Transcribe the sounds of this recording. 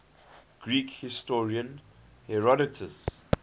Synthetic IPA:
ɡ̥ɹiːkhɪstɔɹiə̃nhɛɹɔdɪtʰəs

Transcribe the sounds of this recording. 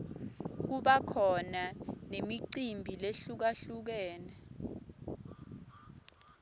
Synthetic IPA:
k̬uɓakʰɔnanemiǀimbʱileɬuk̬aɬuk̬ɛːnɛ

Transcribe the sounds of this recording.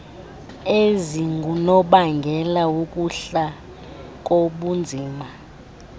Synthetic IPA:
eziŋɡʱunɔɓaŋɡʱɛlaukʼuɬa | k̬ʼoɓund͡zʱiːma

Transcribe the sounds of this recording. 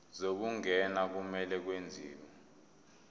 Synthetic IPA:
zok̬uŋɛnak̬umɛlɛk̬wend͡zʱiːk̬ɔ

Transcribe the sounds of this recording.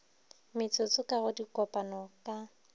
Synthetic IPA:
mɪt͡sʊt͡sʊkaɣʊdikʼɔpʼanɔkʼa

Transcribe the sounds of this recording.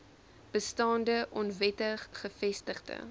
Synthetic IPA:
b̥əstɑːndəʔɔnvɛtəχχəfɛstəχdə̰

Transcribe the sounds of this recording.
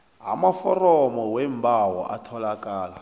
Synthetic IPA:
ɦa̰mafɔrɔmɔwem̩bawɔ̰ʔa̰tʰɔlakʼaːla

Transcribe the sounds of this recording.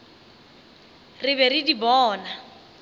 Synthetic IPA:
rɪbɛrɪdibɔːna

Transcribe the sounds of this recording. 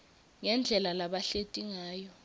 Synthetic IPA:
ŋɛnd͡ɮʱɛlalaɓaɬetʼiŋaːjɔ

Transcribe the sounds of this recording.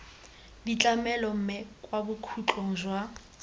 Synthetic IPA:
dit͡ɬʼamɛlɔm̩mɛkʼwabukʰut͡ɬʼɔŋ̩zwa

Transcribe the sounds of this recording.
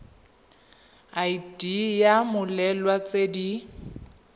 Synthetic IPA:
aidijamʊlɛlwat͡sʼedi

